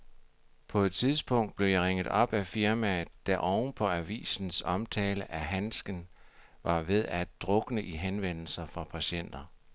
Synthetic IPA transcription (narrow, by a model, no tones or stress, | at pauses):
pʰɒ̽e̝d̥̚t͡sʰiðˠsb̥ɔ̽ŋ̰d̥̚b̥le̝jɑ̈ʁeŋ̰ð̩ˠɒ̽b̥æfiɐmæd̥æʔɒʊnpʰɒ̽æʋḭːsn̩sɒ̽mt͡sʰɛːləʔæɦænsɡ̥ən | ʋɑ̈ʋe̝ðˠæd̥ʁɔ̽ɡ̥ənəʔiɦenʋen̰l̩sɐfʁɑ̈pʰæɕen̰d̥ɐ